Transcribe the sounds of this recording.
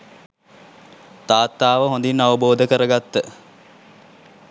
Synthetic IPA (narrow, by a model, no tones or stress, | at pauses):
t̪aːt̪ːaːʋəɦõnd̪inːaʋəboːd̪əkəɾəɡat̪ːə